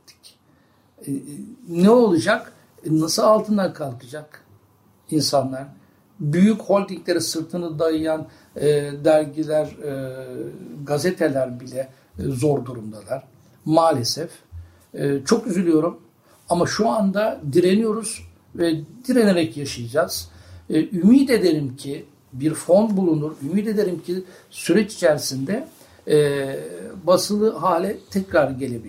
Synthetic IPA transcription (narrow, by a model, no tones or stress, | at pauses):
t̪ʰi̥c | nɛo̞lˠud͡ʒak | nasɯlˠalˠt̪ʰɯnd̪akʰalˠkʰɯd͡ʒak | insanlˠaɾ̥ | byjycho̞lʲt̪ʰiclʲe̞ɾisɯɾt̪ʰɯnɯd̪ajɯjanː | d̪æɾʲɟilʲæɾ | ɡazet̪ʰelʲæɾbilʲɛ | zo̞ɾd̪uɾumd̪alˠaɾ̥ | maːlʲesɛf | ɛːt͡ʃʰo̞kyzylʲyjo̞ɾum | amaʃuand̪ad̪iɾe̞nijo̞ɾuz̥ | vɛd̪iɾe̞neɾɛcjaʃɯjad͡ʒaːz̥ | ymiːd̪e̞d̪eɾimcʰi | biɾfo̞nbulˠunuɾymiːd̪ed̪e̞ɾimcʰi | syɾɛt͡ʃi̥t͡ʃʰɛɾsind̪ɛ | basɯlˠɯɦaːlʲɛt̪ʰɛcɾaɾɯɟe̞lʲe̞bilʲ